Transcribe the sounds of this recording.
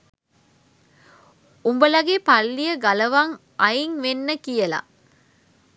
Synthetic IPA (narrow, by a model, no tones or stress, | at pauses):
umbəlɐɡepɐlːijəɡɐlɐʋaŋ | ɐjiŋʋenːəkijɐla̰